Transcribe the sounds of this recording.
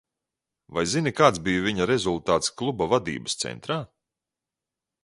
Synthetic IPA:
vajzinikaːt̪sbijuvʲiɲaɾezulˠt̪aːt̪sklˠubavad̪ḭːbəst̪sɛ̰nt̪ɾaː

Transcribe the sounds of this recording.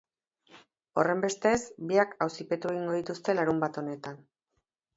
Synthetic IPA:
o̞re̞mbe̞st̪e̞sbiakawsipe̞t̪ue̞ɣiŋɡo̞ð̞it̪ust̪e̞laɾumbat̪o̞ne̞t̪an

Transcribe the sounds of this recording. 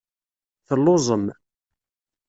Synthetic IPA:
θəlːozˤəm

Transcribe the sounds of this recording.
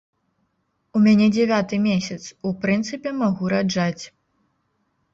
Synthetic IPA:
umʲanʲɛd͡zʲɛvʲat̪ɨmʲesʲɐt̪supɾɨnt̪sɨpʲɛmaɣuɾad͡ʐat͡sʲ

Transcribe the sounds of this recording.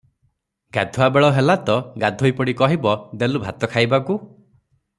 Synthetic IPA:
ɡad̪ʱuabeɭɔɦelat̪ɔɡad̪ʱojpɔɽikɔɦibɔd̪elubʱat̪ɔkʰajbaku

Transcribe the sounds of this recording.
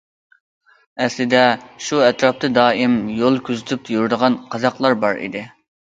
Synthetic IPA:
ɛslɪd̪ɛʃuɛt̪ɾɑp̚t̪ɨd̪ɑːimjolˠkʲʰyzɪt̪ʰyp̪̚ʰjuɾd̪əʁɑnqʰɑzɑqlˠɑɾbɑɾḭd̪ɪ

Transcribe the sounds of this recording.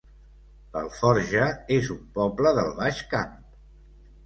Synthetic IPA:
bə̰lˠfɔɾʒəezumpɔpləðəlˠβaʃkamp

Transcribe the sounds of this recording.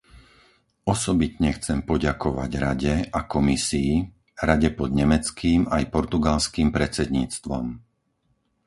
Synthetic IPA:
ɔsɔbit̪ɲɛxt͡sɛmpɔɟakɔʋa̰ɟɾaɟɛakɔmisiː | ɾaɟɛpɔd̪ɲɛmɛt͡skiːmajpɔɾt̪uɡalskiːmpɾɛt͡sɛd̪ɲiːt͡st̪ʋɔ̰m

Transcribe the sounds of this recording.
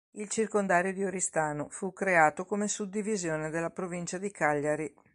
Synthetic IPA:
ilt͡ʃirkond̪aːɾjod̪ioɾist̪aːnofukɾeaːt̪okomesud̪ːivizjoːned̪elːapɾovint͡ʃad̪ikaʎːaɾi

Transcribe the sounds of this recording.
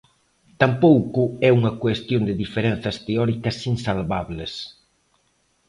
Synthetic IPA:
t̪ampowkʊɛuŋɐkwest̪jond̪ɪðifeɾen̟θɐst̪eɔɾikɐsinsalβaβles

